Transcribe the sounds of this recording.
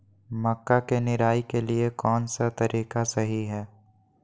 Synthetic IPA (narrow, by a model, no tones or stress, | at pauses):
mɐkːakenɪɾaːikeliekɔːnsat̪ɐɾiːkasɐɦiɦɛː